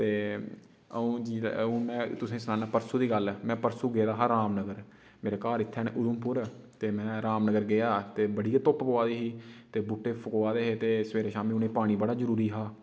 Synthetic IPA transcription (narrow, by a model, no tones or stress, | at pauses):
t̪eː | ə̰ũːd͡ʒiːũːmɛ̃ːt̪ʊsẽːsənaːnaːpəɾsuːd̪iːɡəlmɛ̃ːpəɾsuːɡeːd̪aːɦaɾaːmnəɡəɾ | meːɾeːkaːɾɪt̪ʰːɛːn̰ːʔʊd̪ʊmpʊɾ | t̪eːmɛ̃ːɾaːmnəɡəɾɡɪaːt̪eːbəɽiːat̪ʊppoaːd̪iːɦiːt̪eːbʊʈːeːpʰʊkoːaːd̪eːɦeːt̪eːsəʋeːɾeːʃaːmiːʊnẽiːpaːɽ̃iːbəɽaːzəɾuːɾiːɦaː